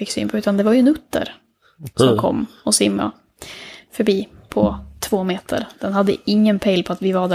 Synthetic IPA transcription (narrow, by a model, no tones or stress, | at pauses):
ɪkːsy̰ːnpʰɔʉ̟ːt̪and̪ɛvaɾjɵɛnɵt̪ːə̰ɾ | sɔmkʰɔ̰mːɔsɪmːa̰ | fœɾbiːpʰɔt̪ʰvoːmeːt̪ʰə̰ɾd̪̥ɛnɦad̪ːə̰ɪŋːənpʰɛɪlpʰɔat̪vɪvaɖæ